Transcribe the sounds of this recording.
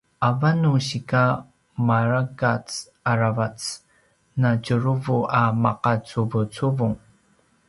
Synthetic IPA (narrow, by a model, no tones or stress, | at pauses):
ʔavanuɕika | maɾaɡat͡s | aɾavat͡s | nacuɾuvuʔamaqat͡suvut͡suvuŋ